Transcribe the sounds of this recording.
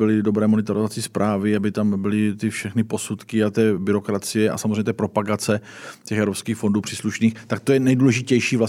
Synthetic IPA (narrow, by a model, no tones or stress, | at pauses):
ɪlɪdo̞bɾɛːmo̞nɛt̪aɾozat͡sɪspɾʔaːvɪabɪt̪ambɪlɪt̪ɪfʃɛxnɪpo̞sut̪kɪat̪ɛːbɪɾo̞kɾat͡sɪjɛʔa̰samzreɲɛt̪ɛːpɾo̞paɡat͡sɛcɛxɛvɾo̞pskiːxfo̞nduːpr̥iːsluʃniːxt̪ak̚t̪ojɛnɛjduːlɛʒɪcɛjʃiːvla